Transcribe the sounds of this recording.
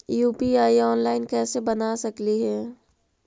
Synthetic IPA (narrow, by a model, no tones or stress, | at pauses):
juːpiaːiɔːnlaːɪnkɛːsebɐnaːsɐkliɦɛː